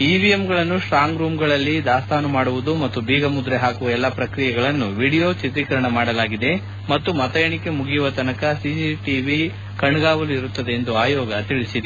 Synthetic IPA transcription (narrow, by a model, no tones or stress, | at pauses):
iːʋiemɡɐɭɐnːuʂʈɾaːŋɡɾuːmɡɐɭɐlːid̪aːst̪aːnumaːɽuʋud̪umɐt̪ːubiːɡɐmud̪ɾeɦaːkuʋɐɛlːɐpɾɐkɾijɛɡɐɭɐnːuʋiːɽijoːt͡ʃit̪ɾikɐɾɐɳɐmaːɽɐlaːɡid̪e̞ | mɐt̪ːumɐt̪ɐjɐɳikːe̞muɡijuʋɐt̪ɐnɐkɐsiːsiʈiʋi | kɐɳuɡaːʋɐluiɾut̪ːɐd̪eːnd̪uaːjɔːɡɐt̪iɭisid̪e